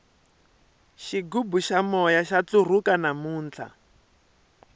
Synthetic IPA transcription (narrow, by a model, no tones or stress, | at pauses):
ʃiɡubuʃamɔjaʃat͡sur̤ukanamuːnt͡ɬʰa̰